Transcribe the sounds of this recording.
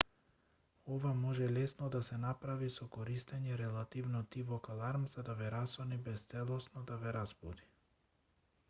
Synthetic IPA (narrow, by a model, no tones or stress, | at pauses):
ɔvamɔʒɛlɛsnɔd̪asɛnapɾavisɔkɔɾist̪ɛɲɛɾɛlˠat̪ivnɔt̪ivɔkalˠaɾmzad̪avɛɾasɔnibɛst̪sɛlˠɔsnɔd̪avɛɾazbɔd̪i